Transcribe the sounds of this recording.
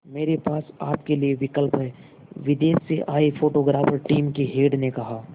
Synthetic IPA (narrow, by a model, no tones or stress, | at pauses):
meːɾepaːsaːpkelieʋɪkəlpɦɛː | ʋɪd̪eːsseʔaːifoːʈoɡɾaːfəɾʈiːmkeɦeːɖnekɐɦaː